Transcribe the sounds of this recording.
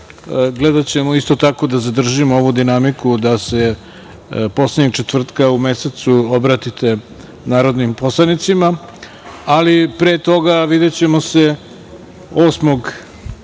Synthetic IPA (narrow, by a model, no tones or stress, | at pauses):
ɡled̪at͡ɕe̞moist̪o̞t̪ako̞d̪azad̪r̩ʒimooʋud̪inamikud̪ase̞ | po̞sledɲeɡ̚t͡ʃet̪vr̩t̪kaumeset̪suobɾat̪it̪e̞ | naːɾo̞d̪nimpo̞slˠanit̪sima | alipɾe̞ːt̪o̞ɡaʋid̪et͡ɕe̞mose̞ | oːsmo̞ɡ